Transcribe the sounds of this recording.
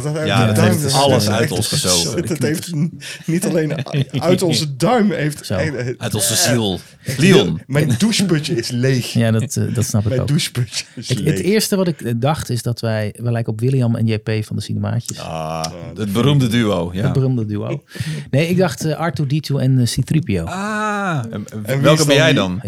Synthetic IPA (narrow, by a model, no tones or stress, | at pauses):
aəteɑləsœtɔnsəsotejftnitalejnœɥtɔnnzədœɥmejftso̰ɛœtɔnzəzilˠ | liɔnmɛjnduspøtəɪslejxjadɔtdɑtsnɑpɪko̰kduspøt͡ʃəətɪːɹstəʋɑtɪkdɑχtɪzdɑtʋɛjʋəlɛjkəɔpʋɪliɑmɛ̰njepejfɑndəsinəma̰ːcəsa̰əd̚bərumdədyowjaədbərumdədyo̰wnejɪɡ̚dɑχtəʔɑɹtuditʰuɛnsiθripiowa | ɛnʋɛlˠkəɛjɛjdɑn